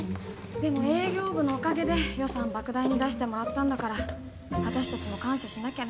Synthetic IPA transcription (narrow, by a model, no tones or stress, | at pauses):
d̪̥e̞mo̞e̞ːɡʲo̞ːbɯ̟no̞ːkaɡe̞d̪e̞jo̞sãmbakɯ̟d̪aiɲ̟id̪aɕi̥t̪e̞mo̞ɾat̪ːãnd̪akaɾa | βat̪aɕi̥t̪at͡ɕimo̞kãɰ̃ɕaɕinakʲa